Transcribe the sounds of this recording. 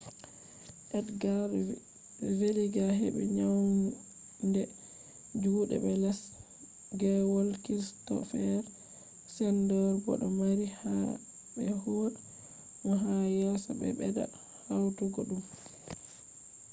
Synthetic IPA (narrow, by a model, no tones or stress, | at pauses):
ʔɛdɡa | veliɡaɦḛbɛ̰ɲaw | ndɛ | d͡ʒuːɗɛ̰bɛlɛs | ɡɛwɔlkistɔ̰fɛɾ | sɛndɔɾɡɔ̰ɗɔmaɾiha | bɛhuɗ | mɔɦajɛsɔ̰ɓɛ̰ɓɛda̰ | hawtuɡɔɗum